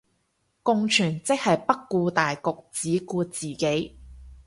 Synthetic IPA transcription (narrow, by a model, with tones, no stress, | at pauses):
kʊ˧ŋt͡ʃʰyː˨˩nt͡sɪ˥k̚hɐ˨jpɐ˥kːuː˧t̪aː˨jkʊ˨k̚t͡siː˨˥kuː˧t͡siː˨˩ke˨˥j